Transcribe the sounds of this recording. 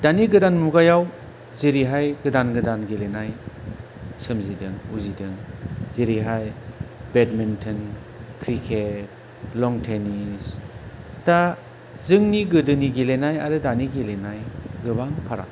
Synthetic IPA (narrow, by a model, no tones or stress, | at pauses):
d̥aniɡɯdanmuɡajaw | ziɾiɦajɡɯdanɡɯdanɡelenaj | sɯmzidɯŋuzidɯŋziɾiɦajbedmintʰɯn | kʰɾikʰet̚ | lɔŋtʰenis | ta | zɯŋniɡɯdɯniɡilenajaɾɯdaniɡilenajɡɯbaŋpʰaɾa̰k